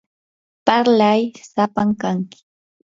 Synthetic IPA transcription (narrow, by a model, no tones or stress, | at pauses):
paɾlajsapaŋkaŋkɪ̥